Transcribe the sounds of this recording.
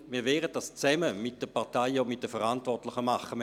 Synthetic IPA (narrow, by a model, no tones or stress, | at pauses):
miːɐʋɛːʁət̚dast͡sɛməmɪt̚d̥əpʰɑʁtaɪomɪt̚d̥əfəʁantvɔtlɪχəmɑχəm